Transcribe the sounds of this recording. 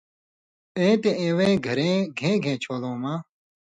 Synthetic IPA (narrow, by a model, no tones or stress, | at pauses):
ẽːt̪ẽẽːwẽːɡʱɐɾẽːɡʱẽːɡʱẽːt͡ɕʰoːlõːmãː